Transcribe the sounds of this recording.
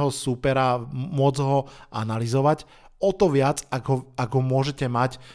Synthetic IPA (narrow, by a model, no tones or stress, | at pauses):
ɦɔsupɛɾamʊɔd͡zɦɔa̰nalizɔʋac | ɔt̪ɔʋɪad͡zaɡɦɔaɡɦɔmʊɔʒɛcɛmac